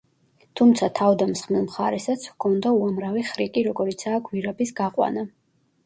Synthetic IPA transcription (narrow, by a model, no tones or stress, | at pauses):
t̪ʰumt̪sʰat̪ʰavd̪amsχmilˠmχaɾɛsat̪sʰvkʰɔnd̪auamɾaviχɾikʼiɾɔɡɔɾit̪sʰaːɡviɾɛbisɡaqʼwa̰na